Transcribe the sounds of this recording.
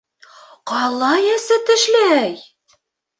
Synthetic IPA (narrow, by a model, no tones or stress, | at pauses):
qɑlˠːɑjæ̆sɘt̪ɘ̆ʃlæj